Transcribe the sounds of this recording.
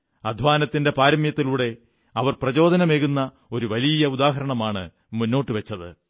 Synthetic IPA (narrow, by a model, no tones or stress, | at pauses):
ɐd̪ʱʋaːnɐt̪ːinde̞paːɾɐmjɐt̪ːiluːɽe̞ | ɐʋɐrprɐt͡ɕo̞ːd̪ʱɐnɐme̞ːɣunːɐ | o̞ɾuʋɐlijɐud̪aːɦɐɾɐɳɐmaːɳɨ | munːo̞ːʈːɨʋɐt͡ɕːɐðɨ̰